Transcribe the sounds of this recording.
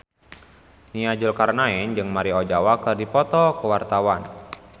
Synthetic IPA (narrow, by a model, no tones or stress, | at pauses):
niad͡ʒʊlkarnaɪnd͡ʒɨŋmaɾiɔd͡ʒawakərdipɔt̪ɔkəwart̪awan